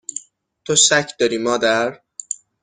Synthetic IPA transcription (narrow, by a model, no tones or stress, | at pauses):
t̪ʰosæcʰd̪ɒːɾiːmɒːd̪æɾ